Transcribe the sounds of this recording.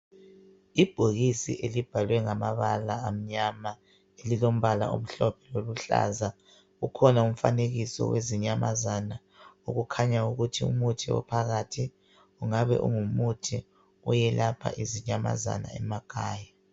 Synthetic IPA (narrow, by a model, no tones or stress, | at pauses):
ib̥ʱoɣisḭʔelib̥ʱalwɛŋamaβalaːm̩ɲama | elilom̩βala̰ʔo̰m̩ɬɔpʰɛloluɬa̰za | ɣukʰɔnaum̩faneɣisɔ̰weziɲamazana | uɣukʰaɲauɣutʰiṵmutʰiwɔ̰pʰaɣatʰi | uŋaβɛ̰ʔṵŋumutʰi | ujɛlapʰa̰ʔiziɲama̰za̰na̰ɛ̰maɡ̥ʰʱaːja